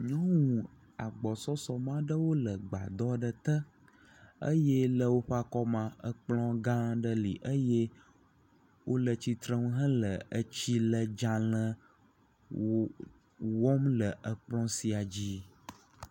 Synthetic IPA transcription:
ɲɔ̃˦wũ˨ | a˨ɡ͡bɔ˨sɔ˦sɔ˨mã˦ɖə˦wo˦lə˨ɡ͡ba̰˨d̪ɔ˦ɖə˨t̪ə˦ | ə̰˦jɛ˦lə˨wo˦ɸa˦kɔ˦mã˨ə˨k͡plɔ̃˦ɡã˦ɖə˦lḭ˨ʔə˦je˦ | wʔo˦lə˨t͡ɕi˦t̪ɾə̃˦wu˦ɦə̃˦lə˨ə˦t͡ɕi˦lə˨d͡ʒã˨lə̃˦ | wɔ˦mlə˨ʔə˨k͡plɔ̃˦si˨a˨d͡ʑi˦

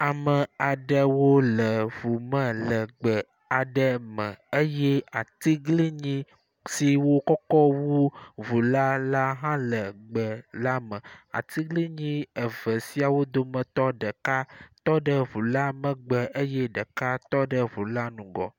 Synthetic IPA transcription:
a˨mə˨a˨ɖə˨wo˦lə˨vu˨mə̃˦lə˨ɡ͡bə˨ | a˨ɖə˦mə̃˨ə˦jɛ˦a˨t̪i˦ɡli˦ɲĩ˦ | si˨wo˦kɔ˦kɔ˦wu˦vu˨la˦la˦ɦã˦lə˨ɡ͡bə˨la˦mə̃˨a̰˨t̪i˦ɡli˦ɲĩ˦ə˨və˨si˦a˨wo˦d̪o˦mə̃˨t̪ɔ˦ɖə˨ka˦t̪ɔ˦ɖə˦vu˨la˦mə̃˨ɡ͡bə˨ʔə˦jɛ˦ɖə˨ka˦t̪ɔ˦ɖə˦vu˨la˦nũ˨ɡɔ̰˨

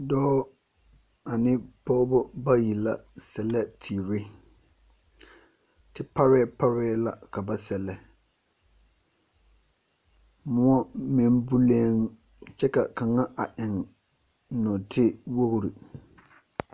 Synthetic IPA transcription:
dɔː˦ | a˨nɪ˦pɔ˦bɔ˦ba˦ji˨la˦sɛ˨lɛ˦tʰiː˨ɾɪ˦ | tɪ˦pa˦ɾɛ˦pa˦ɾɛː˦la̰˨ka˨ba˦sɛ˨lɛ˦ | mʊ˦ɔ˦mɪ˦mbu˦leː˦ŋ | t͡ʃɛ˦ka˨ka˨ŋa˦ʔa̰˨ʔɪ˨ŋ | nɔ˨tʰɪ˦wo˦ɣɾi˨

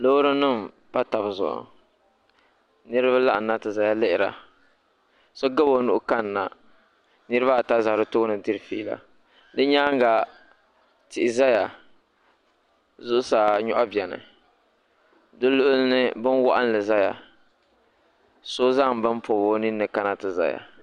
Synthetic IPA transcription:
lo˦ɾɨ˦nɨ˦m | pa˦ta˨bzʊ̰˨ʔʊ̰˨ | nɨ˦ɾɨ˦ba˦la˦ʔa˨nːa˦tɨ˨za˨ja˦lɪ˦ʔɪ˨ɾa̰˨ | so˦ɡa˦bo˨nu˦ʔʊ˦ka˦nː˨a˨ | nɨ˦ɾɨ˦ba˦˨ta˦za˨ɾɨ˦toː˦nɨ˨dɨ˦ɾɨ˨fiː˦la̰˨ | dɨ˦ɲa˦ŋ˦ɡa˨ | tɪ˨ʔɪ˨za˦ja˨ | zʊ˦ʔʊ˦saː˨ɲɔ˦ʔa˦bjɛ˨nɨ̰˨ | dɨ˦lʊ˦ʔʊ˦lnɨ˦bɨ˦n˦wa̰˦ʔa˦n˦lɨ˨za˦ja̰˨ | so˦za˦ŋ˨bɨ˦m˦po˨bo˦ni˦nːɨ˨ka˦na˦tɨ˨za̰˨ja̰˨

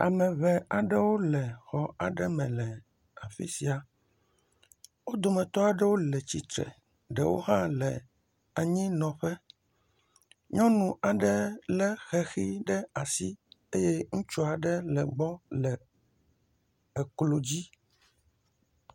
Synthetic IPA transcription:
a̰˨mɛ̃˨βɛ˨a˨ɖɛ˦wo˦lɛ˨xɔ˨a˨ɖɛ˦mɛ̃˨lɛ˨ | a˨fḭ˦si˨a˨ | wo˦d̪o˨mɛ̃˨t̪ɔ˦a˨ɖɛ˦wo˦lɛ˨t͡ɕi˨t̪ɾɛ̰˨ | ɖɛ˨wo̰˦ɦã˦lɛ˨ | a˨ɲĩ˦nɔ̃˨ɸɛ˦ | ɲɔ̃˦nũ˨a˨ɖɛ˦lɛ˦xɛ˨xi˦ɖɛ˦a˨si˦e˦je˦ŋũ˦t͡ʃu˦a˨ɖɛ˦lɛ˨ɡ͡bɔ˦lɛ˨ | ɛ˨klo˨d͡ʑi˦

